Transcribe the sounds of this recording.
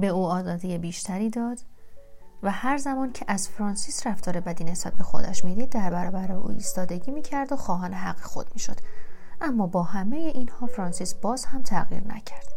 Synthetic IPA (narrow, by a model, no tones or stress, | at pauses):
beuːɒːzɒːd̪ijebiːʃt̪ʰæɾiːd̪ɒːd̪̥ | væhæɾzæmɒːncʰeʔæz̥fɾɒːnsiːsræft̪ʰɒːɾe̞bæd̪iːnesæb̪̚bexo̰d̪æ̰ʃmiːd̪iːd̪̚ːæɾbæɾɒːbæɾeeṵːiːst̪ɒːd̪e̞ɟiːmiːcʰæɾd̪oxɒːɦɒːneɦæɢːexod̪̚miːʃo̞d̪̥ʔæmːɒːbɒːhæmeje̞ʔinhɒːfɾɒːnsiːsb̥ɒːz̥hæmt̪ʰæɣjḭɾnæ̰cʰæɾd̪̥